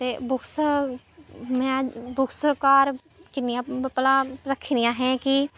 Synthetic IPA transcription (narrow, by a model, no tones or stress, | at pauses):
t̪eːbʊkʰs | mɛ̃ːbʊkʰskaːɾ | kɪnːijãːpəlãːɾəkʰɾɪjãːɦɛ̃ːki